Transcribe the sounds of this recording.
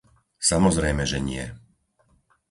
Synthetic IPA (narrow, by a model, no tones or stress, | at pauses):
samɔzɾɛjmɛʒɛɲɪɛ